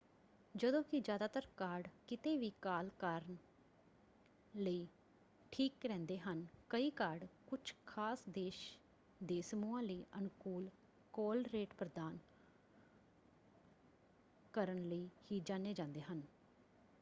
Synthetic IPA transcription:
d͡ʒəd̪õːkɪd͡ʒjaːd̪aːt̪əɾkaːɾɖkɪt̪eːʋiːkaːlkaːɾən | ləiː | ʈʰiːkɾɛ̃ːnd̪eːɦənkəiːkaːɖkʊt͡ʃʰkʰaːsd̪eːʃ | d̪eːsəmuːãːləiːʔənkuːl | koːlɾeːʈpɾəd̪aːn | kəɾənləiːhiːd͡ʒãːneːd͡ʒãːnd̪eːɦən

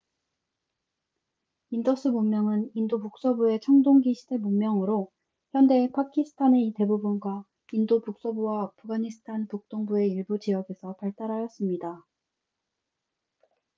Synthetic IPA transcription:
indʌsʰɯmomːjʌŋɯnindopuk̚s͈ʌbue̞t͡ɕʰʌŋdoŋɡiɕʰide̞momːjʌŋɯɾo | çjʌnde̞pʰakʰisʰɯ̥tʰaneite̞bubunɡwa | indopuk̚s͈ʌbuwaːpʰɯɡaɲisʰɯ̥tʰanpuk̚t͈oŋbue̞iɭbut͡ɕijʌɡe̞sʰʌpaɭt͈aɾajʌs͈ɯmɲida

